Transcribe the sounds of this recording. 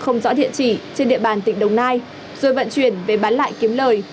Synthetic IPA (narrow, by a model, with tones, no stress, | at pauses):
xə˧wŋ͡mzɔ̰˧˥ɗḭ˧˨ənt͡ɕi˧˩t͡ɕe˧nɗḭ˧˨əɓaː˨˩nt̪ï˧˩ŋ̟ɗə˨˩wŋ͡mnaː˧j | z̥o˨˩jvə̰˧˨nt͡ɕwi˧˩ənve˨˩ɓaː˨˦nla̰ː˧˨jki˨˦əmləː˨˩j